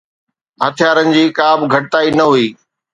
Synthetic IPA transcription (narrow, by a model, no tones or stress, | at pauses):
ɦɐt̪ʰɪjaːɾənɪ̆d͡ʑiːkaːbɡʱɐʈɪt̪aːinɐɦuiː